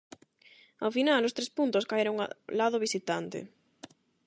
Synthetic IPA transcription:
a̰finalost̪ɾespunt̪ʊskaeɾoŋa̰laðʊβ̞isit̪ant̪ɪ̰

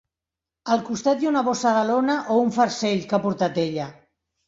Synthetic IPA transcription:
əlˠkust̪at̪̚junaβosaðalonaʔouɱfəɾseʎkapuɾt̪at̪eʎə

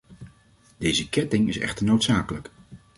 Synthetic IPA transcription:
d̥ejzəkɛtɪŋɪsɛ̰χtəɹnowtsaːkələk

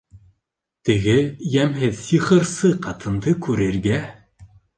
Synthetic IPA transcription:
t̪ɘ̆ɡɘjæmɦɘðsiχɤ̆ɾsɤqɑt̪ʰɤ̆nd̪ɤkʉɾɘ̆ɾɡæ

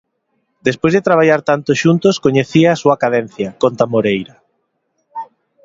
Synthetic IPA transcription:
d̪espojzðet̪ɾaβ̞aʎaɾt̪ant̪osʃunt̪oskoɲeθiɐːsuɐkaðɛn̟θjɐkont̪amoɾejɾɐ

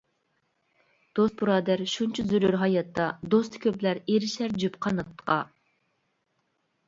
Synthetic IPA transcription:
d̪̥ost̪̚buɾɑːd̪æɾʃunt͡ʃʰizyɾyɾɦɑjɑt̪ʰːɑd̪ost̪ʰkʲʰøplæɾeɾɪʃæɾd͡ʒypqʰɑnɨt̪ʰːə̥qɑ

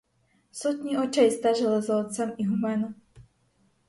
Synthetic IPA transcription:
sɔt̪ɲiʔɔt͡ʃajst̪aʒɛlɛzɔːt̪t͡samiɦumɛnu

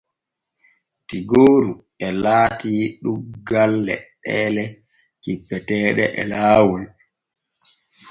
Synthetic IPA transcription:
tiɡoːɾu | ɛlaːtiːɗuɡalːɛ̰ɗɛːlɛ | kipːɛtɛːɗɛ̰ʔɛ̰laːwun

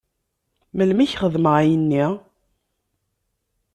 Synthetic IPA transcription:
məlmiçχəðməʁjənːi

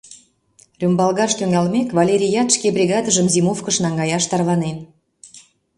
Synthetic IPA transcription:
rʲymbɑlˠɣɑʃt̪yŋɑlmekvɑlʲeɾʲijɑt̪ʃkebrʲiɣɑd̪əʒəmzimufkəʃnɑŋɡɑjɑʃt̪ɑrlɑnen

